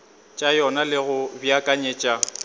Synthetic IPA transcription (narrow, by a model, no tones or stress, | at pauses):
t͡ʃʼajɔnalɪɣʊbjakʼaɲeːt͡ʃʼa